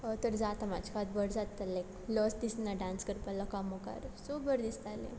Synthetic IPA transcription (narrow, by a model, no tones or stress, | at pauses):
t̪əɾd͡zat̪amat͡ɕʰkat̪̚bəɾd͡zat̪ːalek | lɔsd̪isnaɖãnskəɾpəlakamɔka̰ɾsobəɾd̪ist̪alḛ̃